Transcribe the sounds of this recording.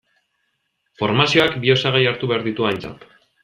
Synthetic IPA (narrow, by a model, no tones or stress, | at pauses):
fo̞ɾmasio̞akbio̞saɣejaɾt̪uβe̞aɾðit̪uajnt͡sa̰t̪